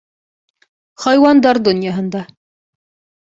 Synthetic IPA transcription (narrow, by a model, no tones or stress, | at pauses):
χɑjwɑnd̪ɑɾd̪onʲjɑɦɤ̆nd̪ɑ